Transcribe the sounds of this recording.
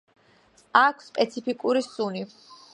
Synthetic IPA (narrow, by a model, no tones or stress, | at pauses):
akʰsːpʼɛt̪sʰipʰikʼuɾisuni